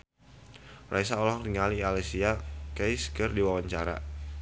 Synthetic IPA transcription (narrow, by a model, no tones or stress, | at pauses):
rʔaisaɔlɔhriŋalialesiakɛjskərdiwawaɲt͡ʃaɾa̰